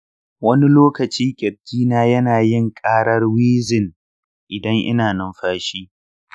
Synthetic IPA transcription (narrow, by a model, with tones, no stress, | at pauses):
wɐ˦ni˦loː˦kɐ˨t͡ʃiː˦kʲʼɛ˨b̚kʲiː˦naː˦jɐ˦naː˨jɪ˦ŋkʼaː˦ɽɐ˦rwiː˦zɪ˨n | ʔɪ˨dɐ˦ŋʔɪ̰˦naː˨nɐ˦mɸaː˦ʃiː˦